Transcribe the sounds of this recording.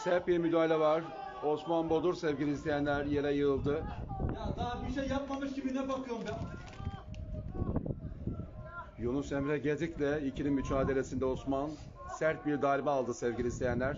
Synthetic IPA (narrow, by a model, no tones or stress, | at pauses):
sæɾt̪̚biɾmyd̪aːlʲɛvaɾ | o̞smanbo̞d̪uɾsevɟilʲiːslʰejænlʲæɾje̞ɾɛjɯɯlˠd̪ɯjad̪abiʃejːapmamɯʃɟibinɛbakʰɯjoɾmbæn | junusemɾɛɟed̪iclʲɛicʰininmyt͡ʃʰaːd̪e̞lesind̪ɛosman | sæɾt̪̚biɾd̪aːlʲimaːlˠd̪ɯsɛvɟilʲiːst̪ʰʲejænlʲæɾ̥